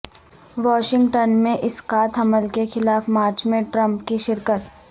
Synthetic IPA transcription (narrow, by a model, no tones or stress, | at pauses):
ʋɔːʃɪ̃ŋɡʈənmẽʔɪsqaːt̪ʰɐməlkexɪlaːfmaːɾt͡ʃmẽʈɾɐ̃mpkiʃɪɾkət̪